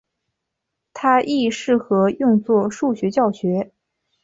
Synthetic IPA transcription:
t̪ʰa˥ʔi˥˧ʂɻ̩˥˩xɤ˧˥jʊ˥˧ŋt͡swɔ˥˧ʂu˥˩ɕɥɛ˧˥t͡ɕjɑ˥˩ʊɕɥɛ˧˥

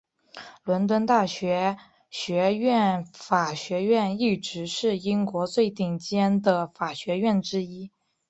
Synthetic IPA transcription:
lwə˧˥nt̪wə˥nt̪a˥˩ɕɥɛ˧˥ | ɕɥɛ˧˥ɥɛ˥˩nfa˨˩ɕɥɛ˧˥ɥɛ˥˧ni˥˩ʈ͡ʂɻ̩˧˥ʂɻ̩˥˩i˥ŋkwɔ˧˥t͡swe˥˧ɪt̪i˥˩ŋt͡ɕjɛ˥nd̪ə˨˩fa˨˩ɕɥɛ˧˥ɥɛ˥˩nʈ͡ʂɻ̩˥i˥

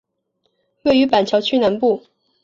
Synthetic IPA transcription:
we˥˩ɪy˧˥pa˨˩nt͡ɕʰjɑ˧˥ʊt͡ɕʰy˥˧na˧˥npu˥˩

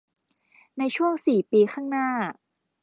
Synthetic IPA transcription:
na˧jt͡ɕʰu˥˩əŋsiː˨˩piː˧xʰaː˥˩ŋnaː˥˩

